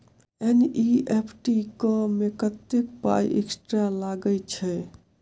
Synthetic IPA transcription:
eniepʰʈikəmekət̪ːekpa̰jʔḛksʈɾalaɡət͡ʃʰɛ

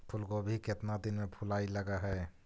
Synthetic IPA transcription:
pʰʊlkobʱikɪt̪nad̪ɪnmẽpʰʊlaːiləɡaɦɛː

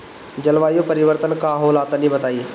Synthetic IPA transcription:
d͡ʒɐlʋaːjopɐɾɪʋəɾt̪ənkaɦoːlaːt̪anĩbɐt̪aːie

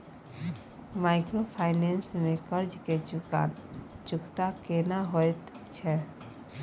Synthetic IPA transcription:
maːɪkɾopʰaːɪneːnsmẽkəɾd͡ʒked͡ʒʊka̰ːnd͡ʒʊkt̪akenaɦoet̪ | t͡ʃʰɛ

